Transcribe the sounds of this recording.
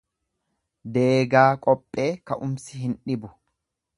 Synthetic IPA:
d̪e̞ːɡaːkʼɔpʼːe̞ːkɐʔʊmsɪɦɪnᶑɪbʊ

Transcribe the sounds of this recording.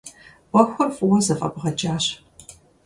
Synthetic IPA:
wʷɔxʷɐrfʼwɐzɨfʼɐ̰bʁɐd͡ʒaːɕ

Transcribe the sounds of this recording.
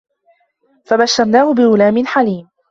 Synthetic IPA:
fabaʃːɑɾˤnaːhʊbɪʔʊlaːmɪnħaliːm

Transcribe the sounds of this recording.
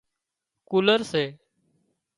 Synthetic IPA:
kuːləɾseː

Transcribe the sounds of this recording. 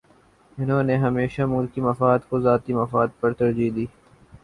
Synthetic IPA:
ɪnɦõːneɦɐmeːʃamʊlkimɐfaːd̪kozaːt̪imɐfaːd̪̚pɐɾt̪ɐɾd͡ʒiːd̪iː

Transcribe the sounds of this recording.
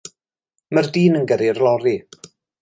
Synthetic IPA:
mərdiːnənɡəɾɪrlˠɔɾi

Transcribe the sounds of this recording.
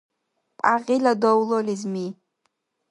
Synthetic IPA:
pʼaʁʲiladowlolizmi

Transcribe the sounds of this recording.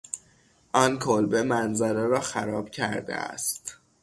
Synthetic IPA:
ʔɒːnkʰolbemænzæɾeɾɒːxæɾɒːb̥cʰæɾd̪ḛæ̰st̪

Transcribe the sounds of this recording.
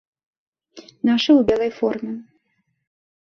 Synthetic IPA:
naʂɨwbʲɛlˠɐjfɔrmʲɛ

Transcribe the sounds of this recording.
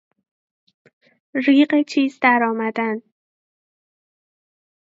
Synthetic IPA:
ɾiːɢet͡ʃʰiːzd̪æɾɒːmæd̪æn

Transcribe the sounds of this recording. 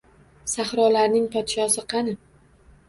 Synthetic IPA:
saχɾɒlaɾnɪŋpʰɒt̪ʃɒsɪqʰɑnɪ

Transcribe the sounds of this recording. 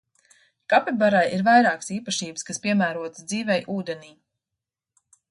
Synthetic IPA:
kapʲɛbaɾajiɾvajɾɑːksiːpaʃiːbɨskaspʲiɛmæːɾuɔt̪zd̪ziːvɛjʔuːd̪eniː

